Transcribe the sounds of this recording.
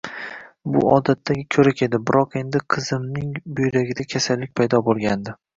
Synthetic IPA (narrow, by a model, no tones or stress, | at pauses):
bʊ̰ɒd̪at̪ʰːaɡʲɪkʲʰɵɾakʲʰe̞d̪ɪbɪɾʔɒqe̞nd̪ɪqʰɨzɪmnɪŋbojɾaɡʲɪd̪akʲʰasalːɪk̚ʲpʰajd̪ɒbolˠɡʲand̪ɪ